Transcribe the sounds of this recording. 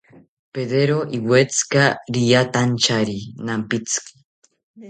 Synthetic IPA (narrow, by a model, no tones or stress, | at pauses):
peðeɾoʔiwet͡sɨ̥kaɾijat̪ant͡ʃaɾinampit͡sɨ̥ki̥